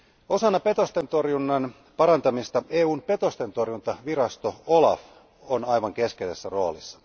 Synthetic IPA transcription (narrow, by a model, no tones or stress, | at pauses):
o̞sɑnːɑpe̞t̪o̞st̪e̞nt̪o̞rjunːɑn | pɑɾɑnt̪ɑmist̪ɑe̞ːuːnpe̞t̪o̞st̪e̞nt̪o̞rjunt̪ɑʋiɾɑst̪oolɑf | onɑjʋɑŋke̞skesesːæro̞ːlisːɑ̥